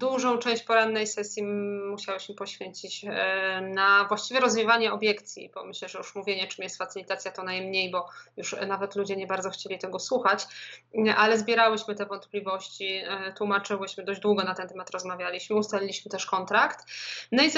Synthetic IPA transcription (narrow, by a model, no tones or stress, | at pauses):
d̪uʐɔ̃w̃t͡ʂɛ̃w̃ɕt͡ɕpɔɾanːɛjsɛsʲjimuɕawɘɕmɘpɔɕfʲjeɲt͡ɕit͡ɕ | navwaɕt͡ɕivʲjɛɾɔzvʲjivaɲɛɔbʲjɛkt̪sʲjḭb̥ɔ̰mɘɕlɛʐɛjuʂmuvʲjeɲɛt͡ʂɘmjɛst̪fatsɘlʲit̪at̪sʲjat̪ɔnajmɲejbɔjuʂnavɛt̪lud͡ʑɛɲɛbaɾd̪ɔxt͡ɕelʲit̪ɛɡɔswuxat͡ɕ | ʔalɛzbʲjɛɾawɘɕmɘt̪ɛvɔnt̪plʲivɔɕt͡ɕit̪wumat͡ʂɘwɘɕmɘd̪ɔd͡ʑd̪wuɡɔnat̪ɛnt̪ɛmat̪ɾɔzmavʲjalʲiɕmɘust̪alʲilʲiɕmɘt̪ɛʂkɔnt̪ɾakt̪nɔi